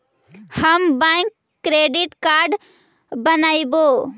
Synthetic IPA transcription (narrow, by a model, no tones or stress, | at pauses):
həmbãkː | ɾeɖiʈkaɾɖ | bənaibo